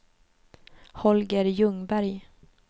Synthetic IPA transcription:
hɔlɡəɾjɵŋbæɾj

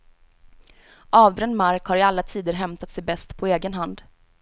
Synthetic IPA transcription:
ʔɑːvbɾɛnmaɾkhaɾɪalːat̪ʰiːd̪əɾɦɛmt̪at̪sɛjbɛst̪pʰɔeːɡənɦand̪

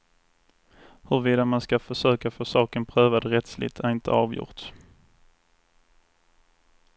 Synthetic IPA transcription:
hɵɾviːd̪amanskafœʂøːkafoːʂɑːkənpʰɾøːvad̪ɾɛt̪slɪ̰t̪ʰæɾɪnt̪ʰə̰ɑːvjʊ̰ɾʈ̪

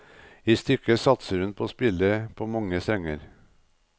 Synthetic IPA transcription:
iːst̪ʏkəsɑt̪səɾʉnpʰoːspɪləpʰoːmɑŋəsɛŋəɾ

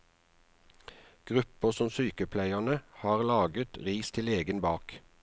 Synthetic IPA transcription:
ɡ̥ʁʉpəsɔmsyːkəpʰlæɪənəhɑːʁlɑːɡət̪ʁiːst̪ʰɪleːɡənbɑːk

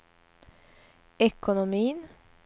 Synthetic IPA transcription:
ɛkʊnʊmiːən

